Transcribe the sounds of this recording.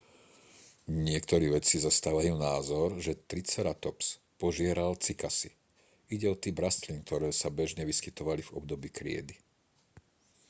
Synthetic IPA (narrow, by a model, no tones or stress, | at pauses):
ɲɪɛk̚t̪ɔɾiːʋɛt͡sizast̪aːʋajuːnaːzɔɾʒɛt̪ɾit͡sɛɾat̪ɔps | pɔʒɪɛɾalt͡sikasi | iɟɛɔt̪iːbɾast̪link̚t̪ɔɾɛːsabɛʒɲɛʋiskit̪ɔʋalivɔ̰b̚d̪ɔbiːkɾɪɛ̰d̪i